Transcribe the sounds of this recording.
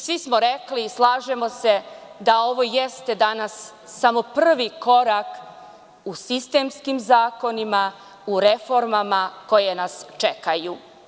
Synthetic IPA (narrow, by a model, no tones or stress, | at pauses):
sʋismo̞ɾeklislˠaːʒemo̞se̞d̪ao̞ʋo̞jest̪e̞d̪anasː | amo̞prr̩ʋiko̞ɾak | usist̪e̞mskimzaːko̞nima | uɾe̞fo̞ɾmamako̞jenast͡ʃekaju